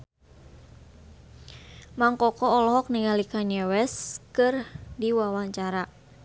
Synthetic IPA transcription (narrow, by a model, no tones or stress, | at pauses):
maŋkɔkɔːlɔɦɔk̚niŋalikaɲɛwɛskɨrdiwawaɲt͡ʃaɾa